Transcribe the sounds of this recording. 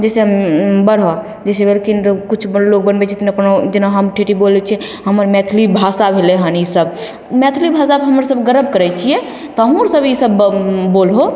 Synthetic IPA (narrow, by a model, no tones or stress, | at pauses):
d͡ʒɛseɦəmbəɾɦɔ | d͡ʒɛsebelkinkut͡ʃʰblok̚bənbɛt͡ʃʰɛt̪nəpnd͡ʒenaɦəmʈʰeʈibolɛt͡ʃʰɛɦəməɾmɛt̪ʰilibʱasabʱeleɦənisəb | mɛt̪ʰilibʱasabɦəməɾsəbɡəɾəb̚kəɾɛt͡ʃʰijɛ | t̪əɦũɾsəbisəbbolɦo